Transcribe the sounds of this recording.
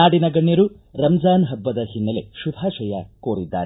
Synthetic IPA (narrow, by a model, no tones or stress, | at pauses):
aːɽinɐɡɐɳːjɐɾu | ɾɐmd͡ʒaːnɦɐbːɐd̪ɐɦinːɐle̞̰ʃubʱaːʃɐjɐkoːɾid̪ːa̰ːɾe